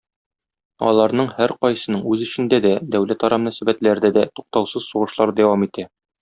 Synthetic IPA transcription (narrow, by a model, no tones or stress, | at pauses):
ɒ̰lˠɑɾnɤɴhæɾqɒjsɤ̆nɤɴʉzɵ̆ɕɘ̆nd̪æd̪æd̪æwlæt̪ɒɾɑmɵ̆næsæbæt̪læɾd̪æd̪æt̪uq̚t̪ɑwsɤzsuʁɤ̆ʃlˠɑɾd̪æwɑmit̪æ